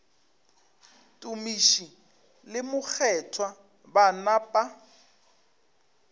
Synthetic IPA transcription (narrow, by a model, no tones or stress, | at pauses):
tʼʊmiʃi | lɪmʊk͡xʰɛtʰwa | banapʼa